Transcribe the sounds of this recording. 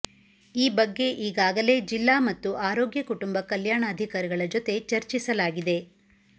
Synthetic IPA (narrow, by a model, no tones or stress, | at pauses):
iːbɐɡːe̞ʔiːɡaːɡɐle̞ːd͡ʒilːaːmɐt̪ːuʔaːɾoːɡjɐkuʈumbɐkɐljaːɳɐːd̪ʱikaːɾiɡɐɭɐd͡ʒo̞t̪e̞t͡ʃɐɾt͡ʃisɐlaːɡid̪e̞